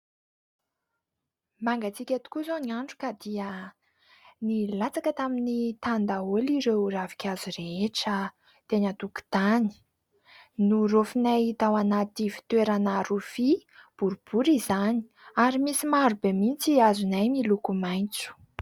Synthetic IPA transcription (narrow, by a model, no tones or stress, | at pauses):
maŋɡat͡sikʲat̪u̥kuzoniaɳʈ͡ʂu̥kad̪iə | nilat͡sakət̪aminit̪and̪aoliɾewravi̥kʲazuɾeeʈ͡ʂə | t̪enət̪uku̥t̪ani̥ | nurofinajit̪awanat̪ifi̥t̪weɾanaɾufib̥uɾub̥uɾizani̥ | aɾimisimaɾubemint͡siazunajmilukumajnt͡su̥